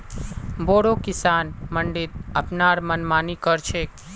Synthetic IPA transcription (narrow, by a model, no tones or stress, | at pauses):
boɽokɪsanməɳɖit̪̚əpnaɾmənmanikəɾt͡ʃʰe